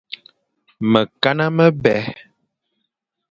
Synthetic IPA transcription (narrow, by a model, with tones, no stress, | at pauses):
mə˨ka˦na˦mə˦bɛ˨˦